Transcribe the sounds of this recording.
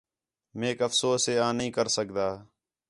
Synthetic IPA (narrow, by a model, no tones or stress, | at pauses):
meːkəfsoːseːãːnəɦĩːkəɾsəkd̪aː